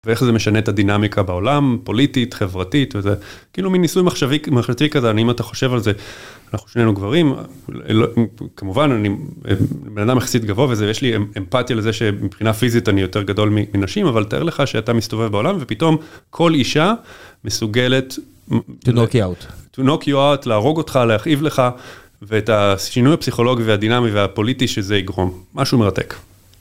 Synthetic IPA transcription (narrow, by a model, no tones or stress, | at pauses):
veeχzeme̞ʃanetadinamikʰabao̞lampo̞lititχe̞vʁatitvezekiiːluminːisujmaχʃavimaχʃatikazeaniimataχo̞ʃe̞valze̞anaχuʃnenuɡvaʁim̰lkʰamuvananḭ | benadameχsitɡavo̞avezejeʃliempatjalezeʃe̞mipχinafizitanijo̞te̞ʁɡado̞lmiminaʃimavaltaʔeʁleχaʃeatamist̪o̞ve̞vbeo̞lamve̞pito̞mkʰo̞liʃamesuɡe̞le̞t | tnokattunokjuawtlaːʁo̞ɡo̞tχalehaχʔivle̞χa | veːtaʃinujhapsiχo̞lo̞ɡiveadinamiveapo̞litiʃezeiɡʁo̞mːaʃume̞ʁate̞̰k